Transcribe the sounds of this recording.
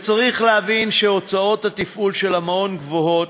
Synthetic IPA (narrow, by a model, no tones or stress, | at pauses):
t͡saʁiχleavinʃeo̞t͡sao̞t̪hatifulʃe̞lamao̞nɡvoɦo̞t